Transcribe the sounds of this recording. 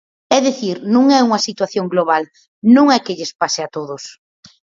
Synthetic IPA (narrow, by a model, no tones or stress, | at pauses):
ɛðeθiɾnũŋɛuŋɐsit̪waθjoŋɡloβal | nũŋɛkeʎespaseat̪oðʊs